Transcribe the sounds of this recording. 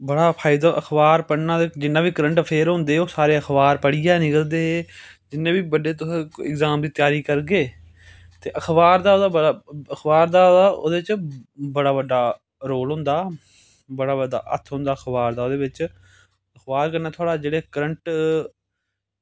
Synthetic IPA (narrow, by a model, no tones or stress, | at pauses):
bəɽaːpʰaːɪd̪aːʔəxʰbaːɾpəɽnãːd̪eːd͡ʒɪnːãːbiːkəɾəɳʈpʰeːɾɦʊ̃nd̪eːoːsaːɾeːəkʰbaːɾpəɽijaːnɪkəld̪eːɦeːd͡ʒɪnːẽːbiːbəɖeːt̪ʊsɪɡzaːmd̪iːt̪jaːɾiːkəɾɡeː | t̪ḛːʔəxʰbaːɾd̪aːoːd̪aːbəɽaəxʰbaːɾd̪aːod̪aːʔo̰ːd̪eːt͡ʃbəɽaːbəɖaː | ɾoːlɦʊ̃nd̪aː | bəɽaːbəɖa̰ːʔə̰t̪ʰɦʊ̃nd̪aːəkʰbaːɾd̪aːoːd̪eːbɪt͡ʃ | əxʰbaːɾkəɾnaːt̪ʰoaːɽaːd͡ʒeːɽeːkəɾəɳʈ